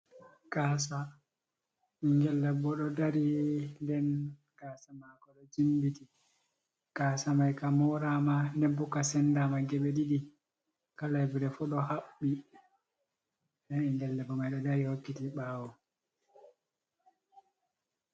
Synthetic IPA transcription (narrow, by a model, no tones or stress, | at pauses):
kaːsa | iŋɡɛlːɛbɔɗɔdaɾindɛn | kaːsamakɔɗɔd͡ʒimbiti | kaːsamajkamɔɾamanɛbːukːasɛndamaɡɛɓɛɗiɗi | kalajviɾɛfɔɗɔhaɓːi | ɗɛniŋɡɛlːɛbɔmajɗɔdaɾihokːitiɓaːwɔ